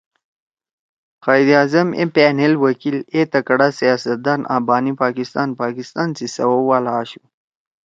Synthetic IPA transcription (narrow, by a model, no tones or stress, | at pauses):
xaːjd̪ijaːzɐmḛpeːnelwɐkilet̪ɐkɐɽasijaːsɐt̪̚d̪ɑːnʔa̰ːbɑːnipaːkist̪ɑːnpaːkist̪aːnsisɐ̰wowaːlaːɕu